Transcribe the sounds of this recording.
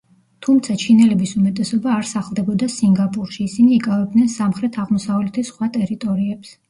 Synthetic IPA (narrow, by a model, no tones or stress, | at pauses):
t̪ʰumt̪sʰat͡ʃʰinɛlɛbisumɛt̪ʼɛsɔbaːɾsaχlˠd̪ɛbɔd̪asiŋɡapʼuɾʃiːsiniːkʼavɛb̚d̪nɛnsamχɾɛt̪ʰaʁmɔsavlɛt̪ʰisχwat̪ʼɛɾit̪ʼɔɾiɛps